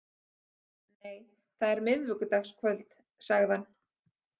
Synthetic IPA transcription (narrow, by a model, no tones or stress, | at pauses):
neːj | θaðɛɾmɪðvʏkʏt̪axskʰvœlt̪ | saɣðan